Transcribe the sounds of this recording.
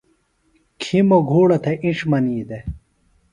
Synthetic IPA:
kʰimoɡʱuːɽɐt̪ʰeʔĩʂmɐniːd̪e

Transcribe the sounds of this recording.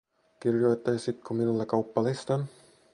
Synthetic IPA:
kirjojt̪ːɑjsit̪kʰuminulːɑkɑwpːɑlist̪ɑn

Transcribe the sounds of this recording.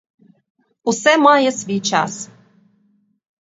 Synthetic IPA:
usɛmɑjə̆sβʲijt͡ɕɑs

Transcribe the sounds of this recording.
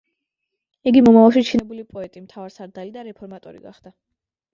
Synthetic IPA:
iɡimɔmavalˠʃit͡ʃʰinɛbulipʼɔɛt̪ʼimt̪ʰavaɾsaɾd̪alid̪aɾɛpʰɔɾmat̪ʼɔɾḭɡa̰χd̪̥a

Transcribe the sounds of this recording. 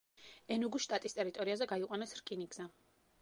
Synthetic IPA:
ɛnuɡusʃt̪ʼat̪ʼist̪ʼɛɾit̪ʼɔɾiazɛɡaiqʼwanɛsɾkʼiniɡz̥ɛ

